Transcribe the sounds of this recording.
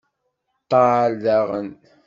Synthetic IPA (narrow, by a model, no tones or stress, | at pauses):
t̪ɑːlːaʁə̰n